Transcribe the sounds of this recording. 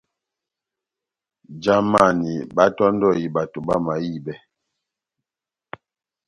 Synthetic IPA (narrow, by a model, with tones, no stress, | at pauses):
d͡ʒa˦ma˨ni˨ba˦tɔ˦n˦dɔ˦˨ji˨ba˨to˨ba˦ma˨ji˦˨bɛ˦